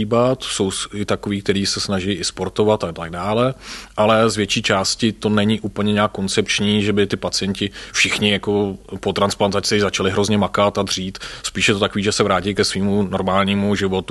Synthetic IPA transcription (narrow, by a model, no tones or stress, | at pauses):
iːbat̪so̞wɪt̪akoviːk̚t̪ɛɾiːsɛsnaʒɪjʔɪspo̞ɾt̪o̞vat̪at̪aɡ̚daːlɛʔalɛzvjɛt͡ʃiːt͡ʃaːscɪt̪o̞nɛɲɪʔuːpl̩ɲɛɲɛaːkːo̞nt͡sɛpt͡ʃɲiːʒɛbɪt̪ɪpat͡sɪjɛncɪfʃɪxɲɪjako̞pot̪ɾansplant̪at͡sɪzat͡ʃalɪɦɾo̞zɲɛmakat̪adr̝iːt̪spiːʃjɛt̪ot̪ako̞viːʒɛsɛvɾaːcɪjkɛsviːmuno̞ɾmaːlɲiːmuʒɪvo̞t̪u